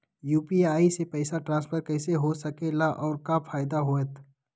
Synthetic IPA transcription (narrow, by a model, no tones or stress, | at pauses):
juːpiaːisepɛɪsaʈɾãːnspʰəɾkɛːseɦosɐkelaʔɔːɾkapʰaːɪd̪aɦoːet̪ʰ